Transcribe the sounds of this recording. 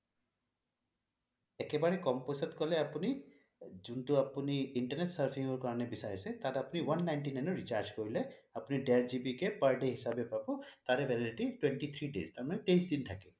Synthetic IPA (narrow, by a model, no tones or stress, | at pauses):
ɛkɛbaɹɛkɔmposat̪kɔlɛapuni | zuntuapuniiɳʈəneʈsəɹpʰiŋɡɔɹkaɹɔnɛbisaɹisɛt̪atapuniwanːajnʈinajnɔɹit͡ʃaɾd͡ʒkoɹilɛapuniɖeaɹzibikepəɹɖeɦisabepabɔt̪aɾɛbʱɛlaʈiʈweɳʈit̪ʰɹiɖest̪aɹmanɛt̪ejsdintʰakɛ